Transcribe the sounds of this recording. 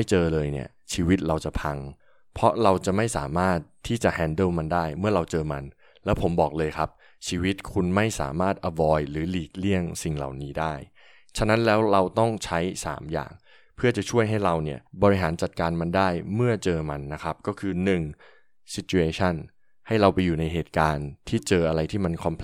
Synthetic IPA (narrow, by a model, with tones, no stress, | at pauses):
ma˥˩jt͡ɕɤː˧lɤː˧jnḭ˥˩ɐt͡ɕʰiː˧wi˦˥t̪̚ɾa˧wt͡ɕa˨˩pʰa˧ŋ | pʰɔ˦˥ɾa˧wt͡ɕa˨˩ma˥˩jsa̰ː˩˦maː˥˩t̪ʰːiː˥˩t͡ɕa˨˩ʔhɛː˧ndɯ˥˩wma˧ndaː˥˩jmɯ˥˩ɐɾa˧wt͡ɕɤː˧ma˧n | lɛː˦˥wpʰo˩˦mbɔː˨˩k̚lɤː˧jkʰa˦˥p̚ | t͡ɕʰiː˧wi˦˥t̪̚kʰu˧nma˥˩jsa̰ː˩˦maː˥˩t̪̚ʔa˧wɔː˧jɾɯː˩˦liː˨˩k̚li˥˩əŋsi˨˩ŋla̰˨˩wniː˦˥daː˥˩j | t͡ɕʰa˧˥na˦˥nlɛː˦˥wɾa˧wt̪ɔ˥˩ŋt͡ɕʰa˦˥jsa̰ː˩˦mja̰ː˨˩ŋ | pʰɯ˥˩ɐt͡ɕa˨˩t͡ɕʰu˥˩əjɦa˥˩jɾa˧wni˥˩ɐbɔː˧ɾi˦˥ɦaː˩˦nt͡ɕa˨˩t̪̚kaː˧nma˧ndaː˥˩jmɯ˥˩ɐt͡ɕɤː˧ma˧nːa˦˥kʰa˦˥p̚kɔː˥˩kʰɯː˧nɯ˨˩ŋ | si˦˥t̪̚t͡ɕu˧eː˧t͡ɕʰa˥˩n | ha˥˩jɾa˧wpa˧jːuː˨˩na˧jɦeː˨˩t̪̚kaː˧nt̪ʰiː˥˩t͡ɕɤː˧ʔa˧ɾa˧jt̪ʰiː˥˩ma˧nkʰɔ˧mpʰ